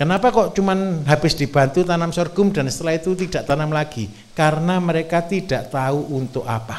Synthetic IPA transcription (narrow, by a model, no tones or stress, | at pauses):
kənapakɔʔt͡ʃumanɦab̥ɪsd̥i̤b̥a̤nt̪ut̪anamsɔrɡ̥ʊmdansə̥t̪əlahit̪ut̪id̥a̤ʔt̪anamlaɡ̥i | kaɾənaməɾekat̪id̥a̤ʔt̪auʔunt̪ʊka̰pa